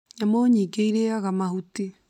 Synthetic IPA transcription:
ɲamoɲiːɡeiɾeaɣamahute

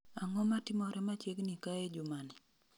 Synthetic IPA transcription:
aŋɔmatɪmɔɾʔɛmat͡ʃeɡnikaɛd͡ʒʊmanɛ

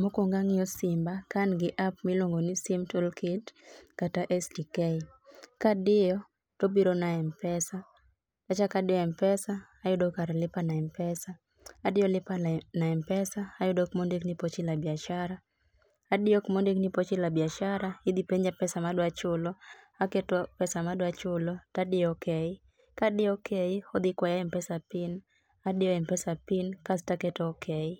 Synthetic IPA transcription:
mokoŋɡaŋɪɔsɪmbakanɡɪʔapmɪlwoŋɡonisɪmtolkɪtkataʔɛsdikɛi | kadɪjɔ | tobiɾonaɛmpɛsa | tat͡ʃakadɪjɔɛmpɛsaːjʊdokaɾɛlɪpanaɛmpɛsaː | dɪjɔlɪpanaɛmpɛsaːjʊdɔkmɔndiknipɔt͡ʃilabiaʃaɾa | adɪɔkmɔndiknipɔt͡ʃilabiaʃaɾahid̪ipɛɲd͡ʒapɛsamaɗwat͡ʃʊlɔ | akɛtɔpɛsamadwat͡ʃʊlɔtadɪɔkɛi | kaɗɪɔkʰeihɔd̪ɪkwajaɛmpɛsapin | aɗɪɔɛmpɛsapinkastakɛtɔkʰɛi

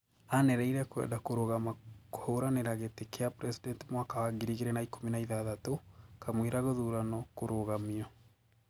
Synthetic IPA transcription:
anɛɾɛiɾɛkwɛ̰ːdakoɾoɣamakohoɾaneɾaɣetekeapɾɛsidɛntimwaːkawaɡiɾiɣeɾɛnaikominaiðaðatokamweɾaɣoðuɾanɔkoɾoɣamiɔ

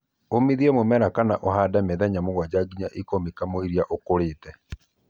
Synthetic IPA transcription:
omiðiɛmomɛɾakanaʔoɦadameðɛɲamoɣwad͡ʑaɡiɲaʔekomikamoiɾiaʔokoɾetɛ

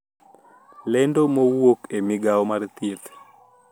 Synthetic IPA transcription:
lɛndomowokemɪɡaɔmart̪et̪

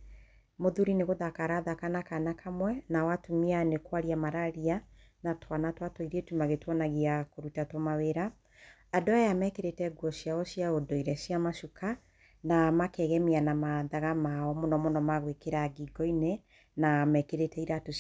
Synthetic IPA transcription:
moðuɾineɣoðakaɾaðakanakanakʰamwɛnawatomianekwaɾiamaɾaɾianatwanatwatɔiɾɛtumaɣetwɔnaɣiakoɾutatomaweɾaː | doajamɛkeɾetɛɡwɔsjaɔsiaodɔiɾɛsiamaʃukʰa | namakɛɣɛmianamaðaɣamaɔmonɔmonɔmaɣwekeɾaɡiɡɔinɛ | namɛkeɾetɛiɾato

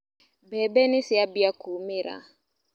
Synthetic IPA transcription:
bɛbɛnisiabiakuːmiɾa̰

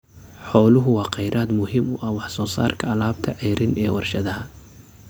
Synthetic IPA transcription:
ħɔːlʊɦʊwɑːqɑjɾʔaːd̪mʊhɪmʊʔɐhwɑħsɔːsa̰ːrkʰɐɐlaːbt̪ʰɐʕɛjɾʔɪnʔɛːwɑrʃɐðɐɦɐ

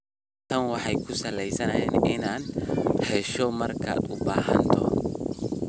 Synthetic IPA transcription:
t̪ʰɐnwɑħɑjkʰʊsɐlɛjsɐnɐhɛːnɪnaːnhɛʃɔmɐrkʰa̰ːd̪ʊba̰ːɦɐ̰nt̪ʰɔ̰

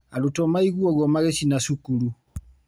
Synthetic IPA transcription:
alutɔmaiɣuɔɣwɔmaɣesinasukuɾu

